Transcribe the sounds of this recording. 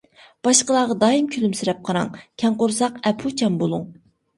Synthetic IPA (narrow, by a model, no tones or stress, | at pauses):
b̥ɑʃqəlˠɑːʁɑd̪ɑːjimkʲʰylymsɪɾɛp̚qʰɑɾɑ̰ŋkʲʰɛŋqʊɾsɑqɛpʰut͡ʃʰɛmbolˠuŋ